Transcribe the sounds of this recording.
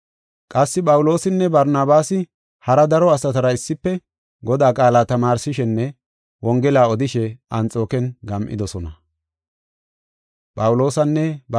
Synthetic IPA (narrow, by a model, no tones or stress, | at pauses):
kʼɐsːɪpʼɐwlo̞ːsɪnːɛbɐɾnaːbaːsɪ | hɐɾɐd̪ɐɾɔɐsɐt̪ɐɾɐɪsːɪpːɛ | ɡɔd̪aːkʼaːlaːt̪ɐmaːɾsɪʃɛnːɛ | wɔŋɡɛlaːɔd̪ɪʃɛɐnt͡sʼo̞ːkɛnɡɐmʔɪ̰d̪ɔsɔnɐ | pʼɐwʊlo̞ːsɐnːɛb